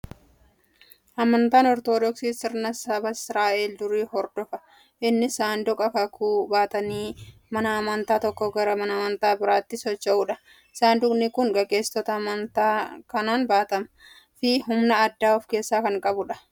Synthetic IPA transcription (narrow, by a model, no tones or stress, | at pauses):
ʔɐmɐnt̪aːnɔɾt̪oːd̪ɔksiːsɪɾnɐsɐbɐɪsɾaːʔeːld̪ʊɾiːhɔɾd̪ɔfɐ | ʔɪnːɪsaːnd̪ʊkʼɐkɐkʰuːbaːt̪ɐniːmɐnɐːmɐnt̪aːt̪ɔkːɔɡɐɾɐmɐnɐmɐnt̪aːbɪɾaːt̪ːɪsɔt͡ʃːɐʔʊːᶑɐ | ɪsaːnd̪ʊkʼnɪkʊŋɡɐɡʼe̞ːst̪ɔt̪ɐmɐnt̪aːkɐnaːnbaːt̪ɐm | fɪɦʊmnɐːd̪ːaːɔfke̞ːsːaːkɐŋkʼɐbʊᶑɐ̥